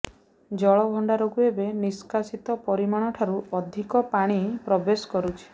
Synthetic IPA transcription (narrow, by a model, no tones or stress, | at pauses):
d͡ʒɔɭɔbʱɔɳɖaɾokuebeniskasit̪ɔpɔɾimaɽ̃ɔʈʰaɾuɔd̪ʱikɔpaɽ̃ipɾɔbesɔ̥kɔɾut͡ʃʰi̥